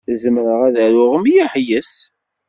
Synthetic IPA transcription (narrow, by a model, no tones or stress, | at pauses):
zəmɾəʁæðæɾʊʁəmijæħjəs